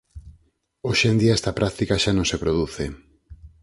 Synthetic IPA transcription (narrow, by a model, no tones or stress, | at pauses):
oʃend̪iaɛst̪apɾʔak̚t̪ikaʃanõŋsepɾoðuθe